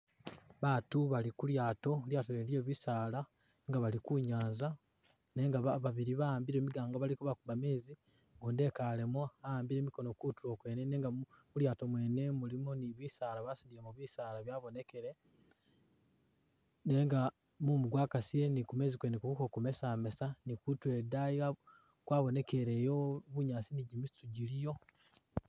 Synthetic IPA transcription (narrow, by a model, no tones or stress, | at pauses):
βaːtuβalikuljaːto̞ljaːtolelje̞ːβisaːla | ŋɡaβalikuɲaːnza | ne̞ŋɡaβaβaβiɾiβaaːmbiɾe̞ːmiɡaːŋɡoβalikuβakuβameːzi | ɡunde̞kale̞mwaaaːmbiɾe̞ːmiko̞no̞kutulo̞ːkwe̞ːnene̞ːŋɡamuljaːtomwe̞ːne̞mulimoniβiːsaːlaβasidiemuβiːsaːɾaβjaːβo̞ne̞ke̞ɾe | ne̞ːŋɡa | mumuɡwaːkasienikume̞ːzikwenekukukokume̞same̞sanikutwe̞daia | kwaːβo̞ne̞ke̞ɾe̞jo̞βuɲaːsiniɟimistuɟilijo̞